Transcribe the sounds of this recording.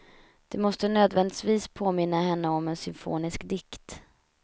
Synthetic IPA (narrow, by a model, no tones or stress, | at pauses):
d̪̥ɛmɔst̪ənøːd̪vɛnd̪ɪt̪viːspʰoːmɪn̪ːaɦɛnːəɔmɛnsʏmfo̰ːnɪskd̪ɪkt̪